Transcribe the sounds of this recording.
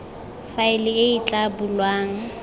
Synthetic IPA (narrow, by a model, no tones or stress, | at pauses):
faɪlɪɪit͡ɬʼabulwaːŋa